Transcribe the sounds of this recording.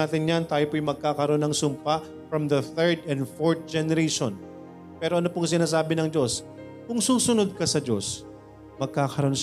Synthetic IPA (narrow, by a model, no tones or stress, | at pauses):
aːt̪ɪnjant̪aːjopojmɐɡ̚kaːkɐɾo̞nɐŋsʊmpa | fɹɐmd̪ɐθɛɹd̪ɐ̃nd̪foɹt̪̚d͡ʒɛnɛɾejʃon | pɛːɾo̞ʔɐnopʊŋs̬ɪnaːs̬aːbɪnɐŋd͡ʒo̞s | kʊŋsuːsʊnod̪̚kɐsɐd͡ʒo̞s | mɐɡ̚kaːkɐɾo̞n